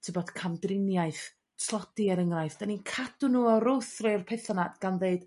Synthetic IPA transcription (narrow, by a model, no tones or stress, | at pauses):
tʰəbɔdkʰamdrɪnjaɨθ | tʰlˠɔd̥iɛɾəŋrajθd̥aninkʰad̥unuːɔɾʊwθrerpʰeθanadɡ̥anðeɨd̥